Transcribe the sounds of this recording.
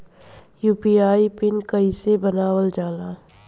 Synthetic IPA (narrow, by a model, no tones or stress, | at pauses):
juːpiaːipɪnkɐisebənaːwəld͡ʒaːlaː